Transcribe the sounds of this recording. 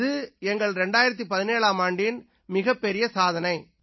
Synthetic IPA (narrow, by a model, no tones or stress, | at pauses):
ðɯɛŋɡɐɭɾɛɳɖaːjɪɾɐt̪̬ːipɐðɪneːɭaːmaːɳɖɪn | mɪɣɐpːɛɾɪjɐsaːðɐnɐɪ